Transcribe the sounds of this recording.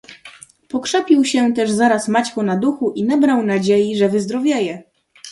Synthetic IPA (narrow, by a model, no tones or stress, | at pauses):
pɔkʂɛpʲiwɕɛt̪ɛʐzaɾasmat͡ɕkɔnad̪uxuʔinabɾawnad͡ʑejiʐɛvɘzd̪ɾɔvʲjajɛ